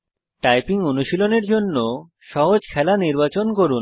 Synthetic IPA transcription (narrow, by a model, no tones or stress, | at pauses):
ʈajpiŋonuʃiloneɾd͡ʑonːo | ʃɔɦod͡ʑkʰɛlaniɾbat͡ɕonkoɾun